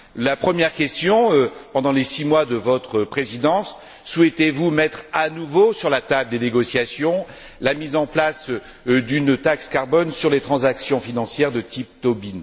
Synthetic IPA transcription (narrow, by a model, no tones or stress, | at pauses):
lapχəmjɛʁkʲɛst̪jɔ̃pɑ̃d̪ɑ̃lesimwad̪əvɔt̪χəpχezid̪ɑ̃sː | wɛt̪evumɛt̪χanuvosyʁlat̪abld̪eneɡɔsjasjɔ̃ | lamizɑ̃plas | d̪ynt̪akskaʁbɔnsyʁlet̪χɑ̃zaksjɔ̃finɑ̃sjɛʁd̪ət̪ip̚t̪ɔbin